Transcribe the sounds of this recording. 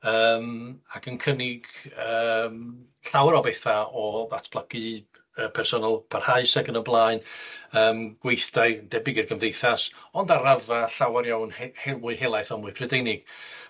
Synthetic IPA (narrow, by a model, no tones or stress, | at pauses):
əːmaɡənkʰənɪɡəːm | ɬawɾɔbɛθaɔðatʰb̥lˠəɡɨ | əpʰɛrsɔnalˠpʰarhaɨsaɡənəblˠaːɨnəːmɡ̥wejθdaɨndɛbɪɡirɡəmdejθasɔndaɾaðvaɬawaɾjawnhhelˠmʊɨɦelˠaɨθɔmʊːɨpʰrɛdejnɪɡ̥